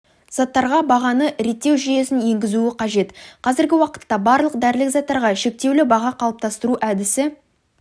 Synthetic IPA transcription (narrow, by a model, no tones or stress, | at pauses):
z̥ɑt̪ːɑɾʁɑbɑʁɑnəɾe̞t̪ːe̞wʒije̞sɪnje̞ŋɡʲɪzuɪqʰɑʒe̞t̪qʰɑzɪɾɡʲɪwɑqə̥t̪ːɑbɑɾlˠəq̚d̪æɾɪlɪkzɑt̪ːɑɾʁɑʃe̞k̚t̪e̞wlɪbɑʁɑqʰɑlˠəp̚t̪ʰɑst̪əɾuʔæd̪ɪsɪ